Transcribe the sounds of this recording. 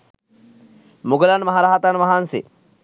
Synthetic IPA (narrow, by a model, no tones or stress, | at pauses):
muɡəlanmɐɦaɾaɦat̪anʋaɦansḛ